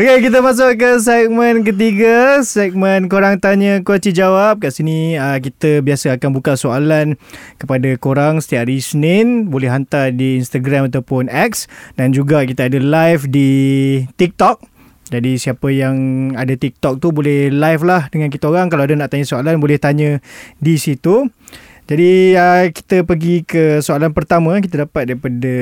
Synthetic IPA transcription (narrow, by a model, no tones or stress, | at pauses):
okekit̪̬əmas̬ʊʔkəs̬ɛk̚mə̃nk̬ət̪̬iɡasɛk̚mə̃nkoɾaŋt̪aɲəkwat͡ʃid͡ʒawap̚kaʔsinĩək̬it̪əbiasəakanbukasoalankəpadakoɾaŋsə̥t̪iaʔɾisnɛnbolɛhɦant̪ardiːnst̪aɡɾamat̪awpʊnɛksdand͡ʒuɡakit̪aadalajfdit̪ik̚t̪ɔk̚ | d͡ʒadisiapəjaŋadat̪ik̚t̪ɔk̚t̪ubolɛhlajflahdəŋãnk̬it̪aoɾaŋkalawadanaʔt̪aɲə̃soalanbolɛht̪aɲə̃disit̪u | d͡ʒadiəki̥t̪əpəɡikəsoalanpərt̪amãkit̪adapat̪̚daɾipada